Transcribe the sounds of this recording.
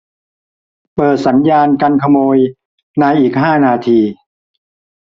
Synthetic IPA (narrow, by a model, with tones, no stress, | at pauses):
pɤː˨˩t̪̚sa˩˦njaː˧nka˧nkʰa˧moː˧j | na˧jʔiː˨˩k̚ɦaː˥˩naː˧t̪ʰiː˧